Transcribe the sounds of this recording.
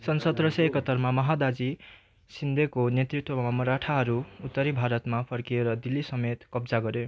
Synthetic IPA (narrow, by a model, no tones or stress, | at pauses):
sʌnsʌd̪rʌsaekʌt̪ːʌrmamʌɦad̪ad͡zi | sind̪ʱekonet̪rit̪wʌmamʌɾaʈʰaɦʌɾuut̪ːʌɾibʱaɾʌt̪mapʰʌɾkieɾʌd̪ilːisʌmet̪kʌbd͡zaɡʌɾjo